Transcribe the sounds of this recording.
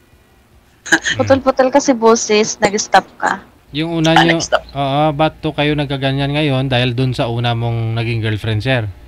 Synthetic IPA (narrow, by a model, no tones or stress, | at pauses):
pʊt̪olpʊt̪ɛlkɐsɪboːsɪsnɐɡɪst̪ap̚kɐ̰ | jʊŋʔuːnɐɲoʔoːʔobat̪okɐjonɐɡ̚kaɡɐɲanŋɐjo̞nd̪aːhɪld̪ʊnsɐʔuːnɐmo̞ŋnɐɡɪŋɡɛlfɾɛnsɛɾ